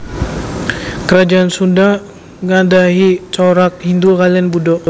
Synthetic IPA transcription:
kəɾad͡ʒaansunda | ŋadaɦit͡ʃɔɾak̚hind̪ukalianbudɔ

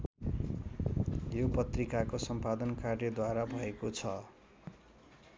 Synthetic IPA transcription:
jopʌt̪rikakosʌmpad̪ʌnkarjʌd̪waɾabʱʌekot͡sʰʌ

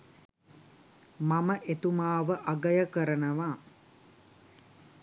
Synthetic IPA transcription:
maməʔet̪umaːʋəʔaɡəjəkəɾənəʋa

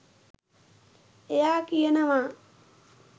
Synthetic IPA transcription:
ejaːkijənəʋaː

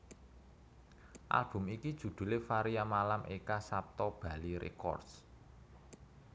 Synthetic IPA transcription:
ʔa̰lb̥ʊ̤mikid̥ʒ̥ṳd̪̥ṳlefaɾijamalamʔekasap̚t̪ɔb̥ä̤liɾḛkɔ̰rd̥s

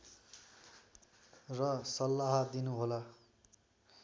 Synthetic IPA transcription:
rʌsʌlːaɦad̪inuɦola

